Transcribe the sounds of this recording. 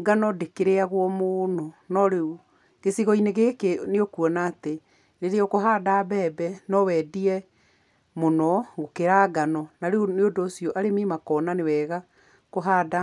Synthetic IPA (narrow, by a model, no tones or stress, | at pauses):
ɡanɔdekeɾeaɣwɔmononɔɾeu | ɡ̥esiɣɔineɣekeneokuɔnaːte | ɾeɾeɔkoɦaːdabɛːbɛnɔwɛːdiɛ | monɔɣokeɾaɡanɔnaɾeoneodoːsiɔʔaɾemeːmakɔːnanewɛːɣa | koɦaːda